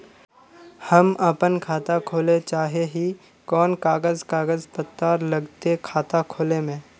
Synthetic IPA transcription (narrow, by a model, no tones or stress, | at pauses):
hɐmɐpənkʰaːt̪akʰoːlet͡ʃaːɦeɦi | kɔːnkaːɡəzkaːɡəzpət̪ːaːɾlɐɡt̪ekʰaːt̪akʰoːlemẽː